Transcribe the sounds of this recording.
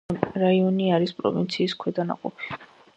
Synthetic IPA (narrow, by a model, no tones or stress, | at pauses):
ɾaiɔniaɾispʼɾɔ̰vint̪sʰiːskʰwɛd̪ana̰qʼɔpʰi̥